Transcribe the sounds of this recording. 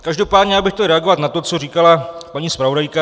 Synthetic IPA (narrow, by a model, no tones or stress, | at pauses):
kaʒdo̞paːdɲɛabɪxt̪ɛɾɛaɡo̞vat̪nat̪o̞t͡so̞riːkalapaɲiːspɾavo̞dajka